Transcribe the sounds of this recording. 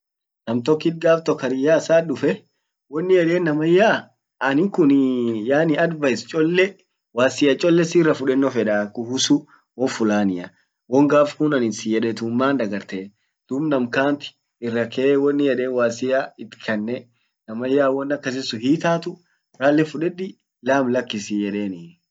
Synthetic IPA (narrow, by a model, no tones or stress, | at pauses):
nɐmt̪ɔkːɪt̪̚ɡaːft̪ɔkɐɾɪjaːsaːᶑʊfɛ | wɔnːɪjɛᶑeːnːɐmɐjːaː | ɐnɪkʊnjaːnɪɐd̪bɐɪst͡ʃʼɔlːɛ | waːsɪjɐt͡ʃʼɔlːɛsɪrːɐfʊᶑɛnːɔfɛᶑakʊhʊsʊ | wɔfʊlaːnɪɐ | wɔŋɡaːfkʊnɐnɪnsɪjɛᶑɛt̪ʊmːaːnd̪ɐɡɐɾt̪eː | d̪̥ʊbnɐmkaːnt̪ɪ̥ | ɪrːɐkʰeːwɔnːɪjɛᶑe̞ːnwaːsɪjaɪt̪ːɪ̥kʰɐnːɛ | nɐmɐjːaːwɔnːɐkːɐs̬ɪsʊɦiːt̪aːt̪ʊ | ɾaːlːɛfʊᶑɛᶑɪ | laːmlɐkːɪsɪjɛᶑeːnɪ